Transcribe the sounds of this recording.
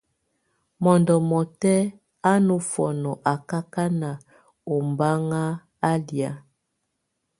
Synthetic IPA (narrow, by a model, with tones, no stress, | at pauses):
mɔ˨ndɔ˨mɔ˨tɛ˦ | a˦no˨fɔ˨nɔ˨ʔa˨ka˦ka˦na˨ | o˨mba˦ŋa˦ | a˦lja˦